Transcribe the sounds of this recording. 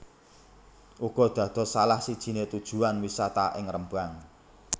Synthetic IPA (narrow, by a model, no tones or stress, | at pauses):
ʔuɡ̥ɔ̤d̪̥ä̤d̪̥ɔ̤salahsid̥ʒ̥i̤net̪ud̥ʒ̥ṳanwisat̪aʔɪŋrəmbaŋ